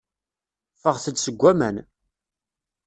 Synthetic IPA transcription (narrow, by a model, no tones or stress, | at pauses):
fəʁθəd̪səɡʷːæmæn